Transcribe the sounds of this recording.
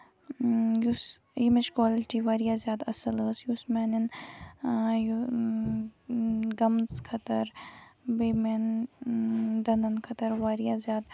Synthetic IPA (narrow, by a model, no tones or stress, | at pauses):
jus | jimet͡ʃkwaːlɪʈiʋaːɾijaːzjaːd̪ɐsɐləːsjusmeːnin | ju | ɡɐmskʰɐt̪ɐɾbemen | d̪ɐnɐnkʰɐt̪ɐɾʋaːɾijazjaːd̪